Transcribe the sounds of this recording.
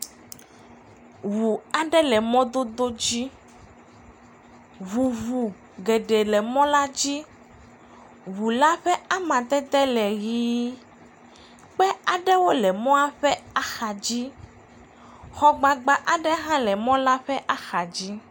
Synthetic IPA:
wu˨a˨ɖɛ˦lɛ˨mɔ̃˦d̪o˦d̪o˦d͡ʑi˦ | βu˨βu˨ | ɡe˨ɖe˨lɛ˨mɔ̃˦la˦d͡ʑi˦ | wu˨la˦ɸɛ˦a˦mã˨t̪ɛ˦d̪ɛ˦lɛ˨ɣiː˦ | k͡pɛ˦a˨ɖɛ˦wo˦lɛ˨mɔ̃˦a˦ɸɛ˦a˦xa˨d͡ʑi˦ | xɔ˦ɡ͡ba˨ɡ͡ba˨ʔa˨ɖɛ˦ɦã˦lɛ˨mɔ̃˦la˦ɸɛ˦ʔa˦xa˨d͡ʑi˦

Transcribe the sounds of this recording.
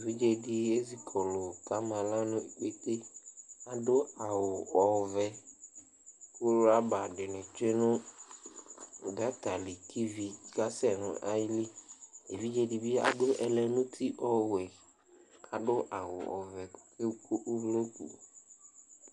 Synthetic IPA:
e˨vi˦d͡ʒe˦di˨e˦zi˨kʰɔ˨lʊ˨ka˦mã˨la˦nʊ̃˦e˨k͡pe˦t̪e˦a˨dʊ˦a˨wʊ˨ɔ˨vɛ˨ | ko˦ɾʊ˦a˦ba˨ɖɪ˨nʊ̃˨te˦nʊ̃˦˨ | ɡa˦t̪a˨li˨kʰi˦vi˨ka˦sɛ˦˨nʊ̰̃˨ʔa˦jli˦e˨vi˦d͡ʒe˦di˨bi˦a̰˨dʊ˦ʔɛ˨lɛ˨nʊ̃˦t̪ʰi˦ʔɔ˦wɛ˨ | kʰa˨ɖʊ˦ʔa˨wʊ̰˨ɔ̰˨vɛ˨˦ke˦ku˦ʔu˦blo˦kṵ˨

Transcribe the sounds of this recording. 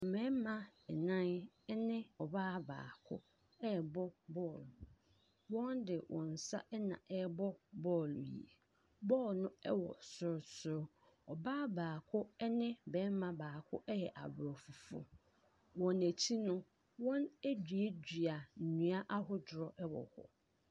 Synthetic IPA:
m̩˨mɛ̃˦mã˦˨ɛ˨nã˦n˦ | nɪ̃˦ɔ˨baː˦ba̰ː˨kʰʊ̰˦ | ɛ˦˨bɔ˦bɔ˦˨l | wɔ̃˦ndɪ˨wʔɔ̰̃˨n̩˨sa̰˦ʔɛ˦nã̰˨ʔɛ˦bɔ˦bɔ˦˨ljḭ˨e˨ | bɔː˦˨lnʊ̃˦ɛ˦wɔ̰˨sʊ˦ɾsʊ˦ɾ | ɔ˨baː˦baː˨kʰʊ˦ɛ˦nɪ̃˦bɛ˨˦mã˨baː˨kʰʊ̰˦ʔɛ˦jɛ˨ʔa˨bɾɔ˨fʊ˨fʊ̰˦ | wɔ̃˨næ˨tʰi˦nʊ̃˦ | wɔ̃˦næ˦d͡ʑɥe˦d͡ʑɥa˨n̩˨ɲũ˨˦a˦ʔa˦ɦʊ˦d͡ʑɾɔ˨ʔɛ˦wɔ̰˨hɔ̰˦

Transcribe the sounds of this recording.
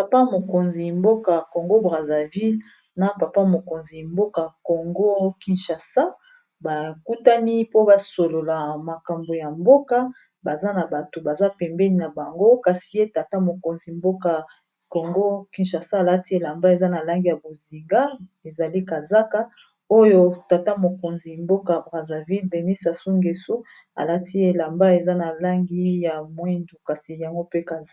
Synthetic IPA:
pa˨pa˦mo˨ko˨nzi˨mbo˦ka˨ko˨ŋɡo˦bʁa˨za˨vi˦l | na˨pa˨pa˦mo˨ko˨nzi˨mbo˦ka˨ko˨ŋɡo˦ki˨nʃa˨sa˦ | ba˨ku˦ta˦ni˦po˦ba˨so˨lo˨la˨ma˨ka˨mbo˨ja˨mbo˦ka˦ | ba˨za˦na˨ba˨to˨ba˨za˦pɛ˨mbɛ˦ni˦na˨ba˨ŋɡo˦ka˨si˨je˦ta˨ta˦mo˨ko˨nzi˨mbo˦ka˨ | ko˨ŋɡo˦ki˨nʃa˨sa˦˨la˦ti˦e˨la˨mba˦e˨za˦na˨la˦ŋɡi˦ja˨bo˨zi˨ŋɡa˦ | e˨za˨li˦ka˨za˦ka˦ | o˦jo˦ta˨ta˦mo˨ko˨nzi˨mbo˦ka˨bʁa˨za˨vi˦lde˨ni˦sa˨su˦ŋɡe˨su˦ | a̰˨la˦ti˦e˨la˨mba˦e˨za˦na˨la˦ŋɡi˦ja˨mwɛ˦ndu˨ka˨si˨ja˨ŋɡo˦pe˦ka˨˦

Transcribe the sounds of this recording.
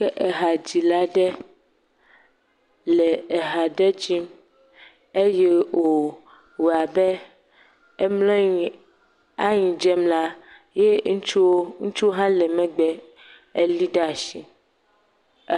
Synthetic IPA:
kɛ˦ʔɛ˨ɦa˨d͡ʑi˨la˦ɖɛ˦ | lɛ˨e˨ɦa˨ɖɛ˦d͡ʒi˦m | e˦jɛ˦wo˨ | wo˨a˨bɛ˦ | e˦mlɔ̃˦ɲi˨ | a˦ɲĩ˨d͡ʒɛ˦mla˦ | je˦ŋu˦t͡ʃu˦wo˦ŋũ˦t͡ʃu˦o˦ɦã˦lɛ˨mɛ̃˦ɡ͡bɛ˦ | e˦li˦ɖɛ˦a˨ʃi˨

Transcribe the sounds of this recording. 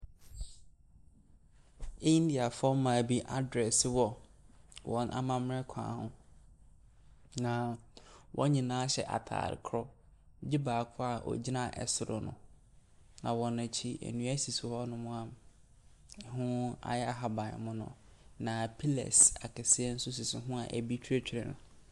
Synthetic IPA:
ĩ˦n˦di˨a˨fɔ˦mã˨bi˦ʔa˦dɾɛ˨sɪ˦wɔ˦ | wʔɔ̃˨nʔa̰˨mã˦˨m˦ɾɛ˦kʷʰã̰ː˨˦hʊ̰̃˦ | nã˨wʔɔ̰̃˦ɲĩ˨nã˦ɕɛ˨ʔa̰˨tʰa̰ː˨ɾɪ̰˨kʰɾɔ˦ | d͡ʑi˦baː˨kʰʊ˦a˨ʔɔ̰˨d͡ʑi˦nã˦˨ʔɛ̰˨sʊ˨ɾʊ˨nʊ̰̃˨ | nã˨wɔ̃˨nã˨t͡ɕʰi˦ʔḛ˨nũ˦æ˦si˨sʊ˨hɔ˦nʊ̃˦mʊ̃˦ã˦m˨ | hʊ̃˦a̰˨jɛ˦a˨ɦa˦bã̰˨mʊ̃˦nʊ̰̃˨nã˨pʰi˦lɛ̰˨sa˨kʰɛ˨sɪ˦ɛ˦n̩˦sʊ˦s̬i˨sʊ˨ɦʊ̃˦a˨ʔæ˨bi˦t͡ɕʰᶣe˦t͡ɕᶣʰi˨ɾɛ˨nʊ̰̃˨

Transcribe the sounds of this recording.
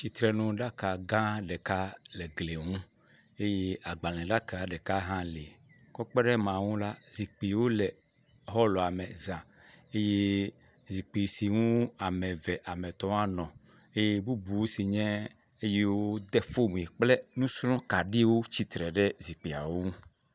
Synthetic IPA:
t͡ʃi˨t̪ɾɛ˨nũ˨ɖa˦ka˨ɡã˦ɖɛ˨ka˦lɛ˨ɡle˨ŋũ˦ | e˦je˦a˨ɡ͡ba˨lɛ̃˨ɖa˦ka˨ɖɛ˨ka˦ɦã˦le˨ | kɔ˦k͡pɛ˦ɖɛ˦mã˨ŋũ˦la˦zi˨k͡pi˨˦wo˦lɛ˨ | ɦɔ˦lɔ˨a˨mɛ˨zã˨ | e˦je˦ | zi˨k͡pi˨si˨ŋũ˦a˨mɛ̃˨vɛ˨ʔa˨mɛ̃˨t̪ɔ˦a˦nɔ̃˨ | e˦je˦bu˦bu˨wo˦si˨ɲɛ̃˦ | e˦je˦wo˦d̪ɛ˦fo˦mũ˨e˨k͡plɛ˦nũ˦slɔ̃˦ka˨ɖi˦wo˦t͡ɕi˦t̪ɾɛ˨ɖɛ˦zi˨k͡pi˨a̰˨wo˦ŋũ˦

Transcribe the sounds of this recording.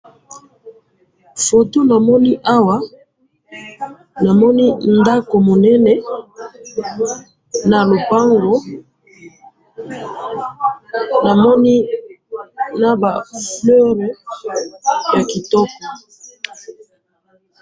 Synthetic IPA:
fo˨to˦na˨mɔ˦ni˦ʔa˦wa˦ | na˨mɔ˦ni˦nda˦ko˨mo˨nɛ˦nɛ˦ | na˨lo˨pa˦ŋɡo˦ | na˨mɔ˦ni˦ | na˦ba˨flɔ˦ʁe˨ | ja˨ki˨tɔ˦kɔ˨

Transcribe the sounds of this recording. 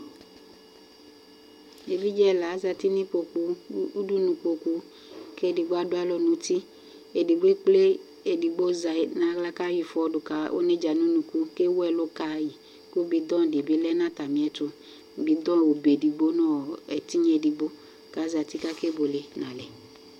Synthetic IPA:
e˨bi˦d͡ʒɛ˦˨la˨˦za˧ti˦ni˦k͡po˧ku˧u˦du˦nũ˨k͡po˧ku˧ | ke˦di˨ɡ͡bo˦a˦dʊ˦a˦lɔ˦nũ˨ti˦ | e˨di˨ɡ͡be˦k͡ple˦ | e˨di˨ɡ͡bo˦za˨na˨˦ɡla˦ka˦ji˨fɔ˧˦dʊ˨ka˨o̰˦ne˦d͡ʒa˨nu˦nũ˨ku˧ke˦wɛ˧lo˦ka˨˦˨ji˨ | ku˦bi˧˦d̪ɔ̃˦˨di˨be˨˦lɛ˦nã˦ta˨mĩ˨ɛ˨˦tʊ˧˨ | bi˨dɔ̃˦˨wo˨be˨di˨ɡ͡bo˦nɔ˦ɛ˨ti˦ɲe˨di˨ɡ͡bo˦ | ka˨˦za˨ti˦ka˦ke˦bo˨le˨nã˨lɛ˨

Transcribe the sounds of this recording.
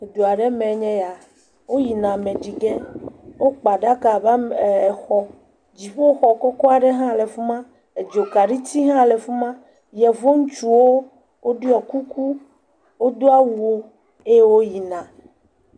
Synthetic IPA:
d̪o˨a˨ɖɛ˦mɛ̃˨˦ɲɛ̃˦ja˨ | wo˦ji˨nã˨mɛ̃˨ɖi˨ɡe˦wo˦k͡pa˨ɖa˦ka˨ba˦m˨ɛ˨xɔ˦ | d͡ʑi˨ɸo˦o˦xɔ˨kɔ˦kɔ˦a˨ɖɛ˦ɦã˦˨le˨fu˦mã˦ | e˨d͡ʒo˨ka˨ɖi˦t̪i˦ɦã˦˨le˨fu˦mã˦ | jɛ˨vo˦ŋũ˦t͡ʃu˦˨wo˦ | wʔo˦ɖi˦ɔ˨ku˦ku˦ | wo˦d̪o˦a˦wu˨o˦ | e˦je˦wo˦ji˨nã˨

